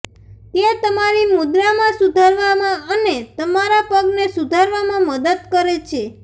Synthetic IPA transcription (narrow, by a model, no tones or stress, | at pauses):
t̪et̪əmaɾimud̪ɾamãsud̪ʱaɾʋamãənet̪əmaɾapəɡnesud̪ʱaɾʋamãməd̪əd̪̚kəɾet͡ʃʰe